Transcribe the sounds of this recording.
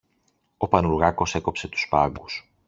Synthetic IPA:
o̞pɐnuɾɣɐko̞se̞ko̞pse̞t̪u̥spɐɡus

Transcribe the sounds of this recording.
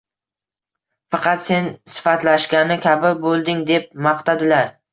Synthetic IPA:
fɑqʰɑt̪se̞nsɪ̥fat̪laʃkʲanɪkʲʰabɪbolˠd̪ɪŋd̪e̞p̚mɑqt̪ʰad̪ɪlaɾ

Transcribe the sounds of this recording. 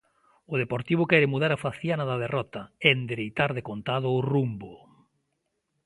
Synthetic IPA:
ʊð̞epoɾt̪iβ̞ʊkɛɾɪmuðaɾafaθjanaðaðerɔt̪ɐend̪eɾejt̪aɾðekont̪að̞ʊːrumbo

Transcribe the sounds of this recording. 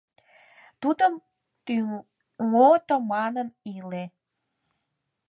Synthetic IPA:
t̪ud̪əm | t̪y | ŋot̪omɑnənile

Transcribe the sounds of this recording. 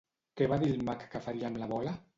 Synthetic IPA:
keβaðilmakːafaɾiamlaβɔla

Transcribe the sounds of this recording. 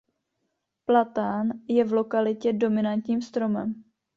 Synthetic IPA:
plat̪aːnjɛvlo̞kalɪcɛdo̞mɪnant̪ɲiːmst̪ɾo̞mɛ̰m

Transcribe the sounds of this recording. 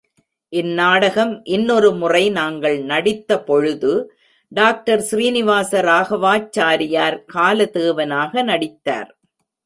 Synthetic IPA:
ʔɪnːaːɽɐɣɐmʔɪnːɔɾɯmʊrɐɪnaːŋɡɐɭnɐɽɪt̪ːɐpɔɻɯðɯ | ɖaːk̚ʈɐɾsɪriːnɪʋaːsɐɾaːɣɐʋaːt͡ʃːaːɾɪjaːɾkaːlɐt̪eːʋɐnaːɣɐnɐɽɪt̪ːa̰ːɾ

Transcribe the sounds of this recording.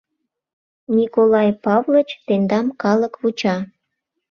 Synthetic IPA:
nʲikolɑjpɑvlə̆t͡ɕt̪end̪ɑmkɑləkβut͡ɕɑ

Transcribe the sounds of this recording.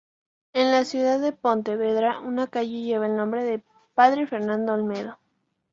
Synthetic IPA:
enlasjuðaðːe̞pont̪eβeðɾaʔunakaʝeʝe̞β̞aelnõmbɾe̞ðe | paðɾefeɾnãnd̪oalmeðo

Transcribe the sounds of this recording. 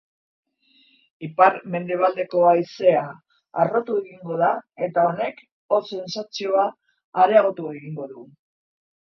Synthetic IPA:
ipaɾme̞nd̪e̞β̞ald̪e̞ko̞aise̞a̰ː | ro̞t̪ue̞ɣiŋɡo̞ð̞ae̞t̪ao̞ne̞k | ose̞nsat͡sio̞aː | ɾe̞aɣ̞o̞t̪ue̞ɣiŋɡo̞ðu

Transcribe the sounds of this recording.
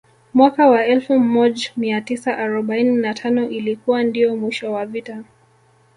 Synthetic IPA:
mwakawaɛlfum̩ːɔʄamiatisaʔaɾɔɓaininatʰanɔʔilikuwandijɔmwiʃɔwavita

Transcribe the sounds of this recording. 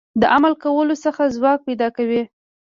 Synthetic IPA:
d̪əʔamalkawəlosəxazwɑk̚pajd̪ɑkawi

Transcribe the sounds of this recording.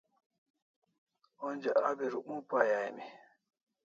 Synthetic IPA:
ɔnd͡ʒaʔabɛɾuɓupajajmɛ

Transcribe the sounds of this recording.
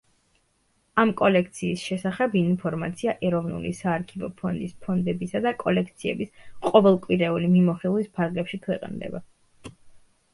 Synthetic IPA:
amkʼɔlɛk̚ʰt̪sʰiːsʃɛsaχɛbinpʰɔɾmat̪sʰiaʔɛɾɔvnṵlisaːɾkʰivɔ̰pʰɔnd̪ispʰɔnd̪ɛbisad̪akʼɔlɛkʰt̪sʰiɛ̰bisqʼɔvɛlˠkʼwiɾɛulimimɔχilˠwispʰaɾɡlɛpʃikʰwɛqʼnd̪ɛ̰ba

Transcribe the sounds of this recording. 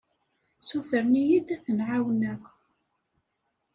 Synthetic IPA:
suθəɾnijid̪æθənʕawnəʁ

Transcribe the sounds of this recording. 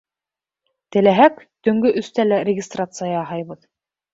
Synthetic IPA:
t̪ɘ̆læɦæk | t̪ɵ̆ŋɡɵʔɵ̆st̪ælæɾʲɪɡʲɪst̪rat̪sɨjɑːɦɑjβɤð

